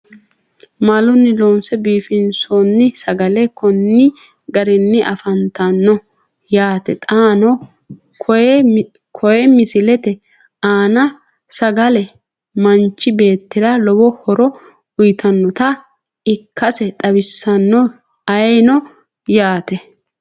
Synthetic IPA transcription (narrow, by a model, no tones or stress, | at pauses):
malʊnːɪloːnsɛbiːfɪnsonːɪsɐɡɐlɛkɔnːɪ | ɡɐɾɪnːɪʔɐfɐnt̪ɐnːɔ | jaːt̪ɛt̪ʼaːnɔ | kʰɔjɛmɪsɪlɛt̪ɛ | aːnɐ | sɐɡɐlɛ | mɐnt͡ʃːɪbe̞ːt̪ːɪɾɐlɔbɔhɔɾɔ | ʊjt̪ʰɐnːɔt̪ɐ | ɪkʰːɐsɛt̪ʼɐbɪsːɐnːɔ | ɐnɔ | jaːt̪ɛ